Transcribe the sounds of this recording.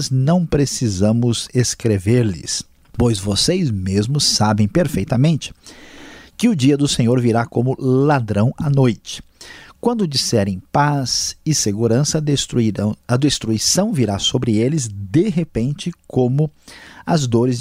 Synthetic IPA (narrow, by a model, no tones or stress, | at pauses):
znɐ̃w̃pɾesizɐ̃mʊzeskɾeveɾlɪ̰s | pojzvosejzmezmʊsːabẽj̃peɾfejt̪ɐmẽnt͡ʃɪ̥ | kɪʊd͡ʒiɐd̪ʊsẽɲoɾviɾakõmʊlad̪ɾɐ̃w̃ɐnojt͡ʃɪ̥kwɐ̃nd̪ʊd͡ʒisɛɾẽj̃paz̥ɪseɡuɾɐ̃sɐ | ɐd̪est̪ɾuisɐ̃w̃viɾasobɾɪelɪzd̪eɦepẽnt͡ʃɪkʰõmʊɐzd̪oɾɪz